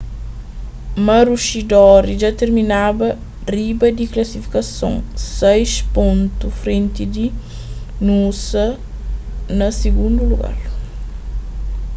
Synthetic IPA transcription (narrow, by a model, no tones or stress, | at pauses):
mɐɾuʃid̪ɔɾid͡ʒat̪eɾminabɐ | ribɐd̪iklɐsifi̥kɐsõ̰ŋsɛjʃpõnt̪ufɾẽnt̪id̪i | nusɐ | nɐsiɡũnd̪uluɡa̰ɾ